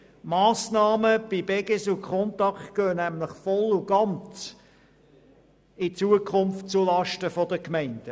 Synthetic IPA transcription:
mɑːsnɑːməb̥ibɛɡesukʰɔnt̪ɑkχtɡ̥øːnæmlɪχfɔluɡ̥ɑnt͡s | ɪt͡suəkʰʊnftt͡sulɑʃtəfɔdəkmæɪnd̥ə

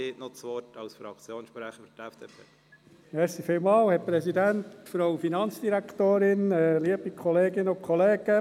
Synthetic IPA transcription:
eːtnot͡sʋɔtʰɑʊsfɾɑ̰kt͡sjoːnʃpɾæχəfətɛfd̥eːpʰeː | mɛɾsifiːlmɑːlhɛpɾɛsidæntfɾoʊfinɑnt͡sd̥iɾækt̪oːɾɪnɛliəb̥ikʰχɔleːɡɪnʊkʰɔleːɡ̥ə

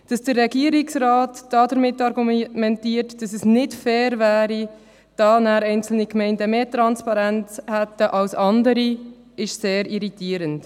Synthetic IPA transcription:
d̥ɑsd̥əɾːɛɡiːəɾɪksɾɑːtd̥ɑːdəɾmɪtːɑɾɡumɛntiːəɾtd̥ɑsɛsnɪdfɛːɾvæːɾi | d̥ɑːnæːɾɛɪnt͡sl̩nikmɛɪndəmeːtɾɑnspɑɾɛnt͡shɛtːəʔɑlsɑndəɾi | ɪʃseːɾiɾitiːəɾənt

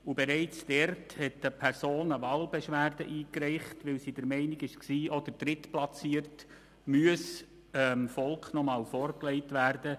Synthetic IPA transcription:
ʊbeɾɛɪt͡sd̥ɛɾthɛtəpʰɛɾsoːnəʋɑːlbɛʃʋæːrdəʔiːkɾɛɪχtʋɪlsidəɾmɛɪnɪɡɪʃksiːʔɔd̥̪ədɾɪtplɑt͡siːərt | myəs | əmfɔlkχnɔmɑːlfɔːɾklɛɪtʋærd̥ə

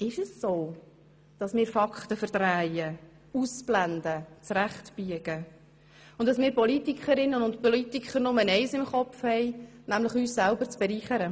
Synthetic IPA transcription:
ɪʃəsːoː | d̥ɑsmɪːɾfɑkχtəfəɾd̥ræɪjə | usb̥lænd̪ət͡sɾæχtb̥yəɡ̥ə | ʊntɑsmɪːɾpɔlitikχəɾɪnːənʊntpɔlitikʰχəɾnʊmənɛɪsɪmχɔpfhɛɪnæmlɪχyːssælbəɾt͡sb̥ɛɾiːχəɾə

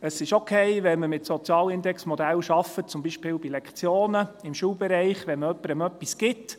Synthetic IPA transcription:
əsɪʃokʰɛɪʋɛnməmɪtsɔt͡sjɑːlɪndɛksmɔd̪ælʃɑfət̚t͡sʊmbiːʃpɪːlbilɛkt͡sjoːnəɪmʃuːlbɛɾɛɪχʋɛnməœpːəɾəmœpːiskɪt

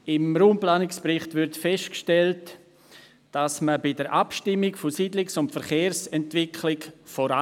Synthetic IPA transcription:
ɪmɾuːmplaːnɪkspɾɪχtvɪɾtfɛʃtkʃtɛlt | d̥asməbɪdəɾʔapʃtɪmːɪkfosiːdlɪksʊntfɛɾχeːɾsɛntvɪkʰlɪkfoɾa

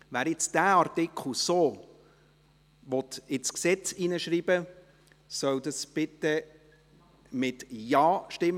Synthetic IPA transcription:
ʋæːɾɪt͡sd̥æɑɾt̪ɪkχl̩soː | ʋɔt̪ɪt͡sksɛt͡sinəʃɾiːb̥ə | sœwd̪ɑsb̥ɪt̪ə | mɪt̪jɑːʃtɪm

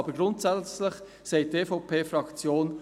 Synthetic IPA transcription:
bəɡɾʊntsɛt͡slɪχ | seɪteːfɔʊpʰeːfɾɑkt͡sjoːn

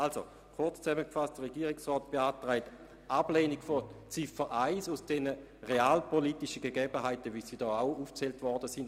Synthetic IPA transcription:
also̰ | kʰʊɐt͡st͡sɛməkfast̚d̥əʁeɡiːʁɪksʁɔːt̚b̥eaːtʁaɪt | ʔableːnikfot͡sifəʔaɪsusd̥ɛnə | ʁeaːlpoliːtiʃəɡeɡɛbəɦaɪtəvisidɔːaʊuːft͡sɛltvɔɐdəsin

